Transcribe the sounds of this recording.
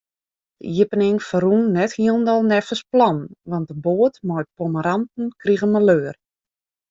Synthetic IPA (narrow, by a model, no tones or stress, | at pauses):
d̥ə̰jɪpənɪŋfərunːɛthiəlˠndɔlˠnɛfəsplɔnʋɑnt̚dəboətmɔjt̚poməɾantn̩kriɣəməløːər